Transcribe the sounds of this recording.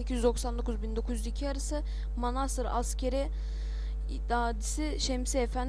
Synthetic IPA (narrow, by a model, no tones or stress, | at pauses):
ecʰizyd̪o̞ksand̪o̞kʰuzbind̪o̞kʰuzyzicʰiaɾɯsɯ | manasɯɾa̰scʰeɾi | d̪aːd̪isiʃɛmsɛefæn